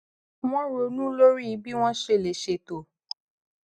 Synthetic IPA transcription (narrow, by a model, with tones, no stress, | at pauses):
w̃ɔ̃˦ɾo˧˨nũ˦lo˦ɾi˦˨˦bi˦w̃ɔ̃˦ʃe˧˨le˨ʃe˧˨to˨